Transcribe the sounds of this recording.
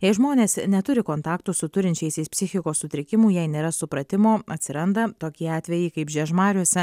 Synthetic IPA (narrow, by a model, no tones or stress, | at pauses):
jɛɪʒmoːnʲeːsnʲɛt̪ʊɾʲɪkoːnt̪ɑːkt̪ʊsʊt̪ʊɾʲɪnʲt͡ʃʲɛɪsʲɛɪspʲsʲɪxʲɪkoːssʊt̪ʲɾʲɪkʲɪmʊjɛɪnʲeːɾɐsʊpɾɐt̪ʲɪmoːɐt̪ʲsʲɪɾɐnd̪ɐt̪oːkʲiɛɑːt̪ʲʋʲɛjɪkɐɪpʒʲɛʒmɑːɾʲuɔsʲɛ